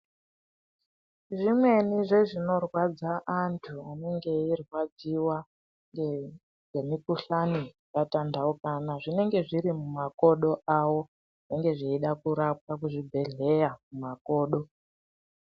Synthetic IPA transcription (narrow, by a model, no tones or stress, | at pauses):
ʐimwe̞niʐe̞ʐino̞rwad͡zaʔantʰuane̞ŋɡe̞irwad͡ziwa | ŋ | ŋɡe̞mikuɬani | jatandaukaːnaʐine̞ŋɡe̞ʐiɾimumako̞ɗo̞ʔawo̞ | eŋɡe̞ʐeiɗakuɾap̚kak̬uʐibʱe̞ɮe̞jamumako̞ːɗo̞